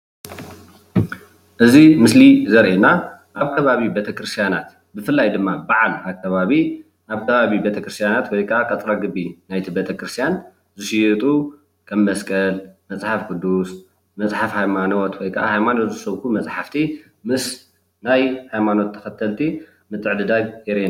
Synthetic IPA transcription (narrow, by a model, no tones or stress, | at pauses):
ʔɨzimɨslizɐɾʔenaʔaβkʰɐβaβibe̞t̪ʰɐkɾɨst̪ʰijana̰t̪ | bɨfɨlːajd̪ɨmːabaʕalaβkʰɐβaβi | ʔaβkʰɐβaβibe̞t̪ʰɐkɾɨst̪ʰjanat̪wɔjkʰɐʔakʼɐt͡sʼɾaɡɨbːinajt̪ʰibe̞t̪ʰɐkɾɨst̪ʰijan | zɨʃijt̪ʼu | kʰɐmːɐskʼɐlmɐt͡sʼħafkʼɨd̪ːus | mɐt͡sʼħafhajmano̞t̪wɔjkʰɐʔahajmanot̪zɨsɐβkʰumɐt͡sʼħaft̪ʰi | mɨs | najhajmano̞t̪ʰːɐ̥xɐt̪ʰɐlt̪ʰi | mɨt̪ʼːɨʕd̪ɨd̪aβjɛɾena